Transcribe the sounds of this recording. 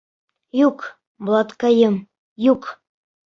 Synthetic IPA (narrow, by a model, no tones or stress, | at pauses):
juk | blˠɑt̪kɑjɤm | juk